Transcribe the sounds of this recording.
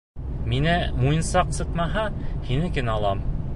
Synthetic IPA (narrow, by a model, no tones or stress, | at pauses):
minæmujɤ̆nsɑqsɤ̆t̪mɑɦɑhinɘkɘnɑlˠɑm